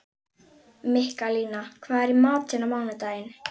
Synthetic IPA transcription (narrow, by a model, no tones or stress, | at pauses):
mɪhkaliːnakʰvaːðɛɾimaːt̪sɛnːamawnɪt̪aːjɪn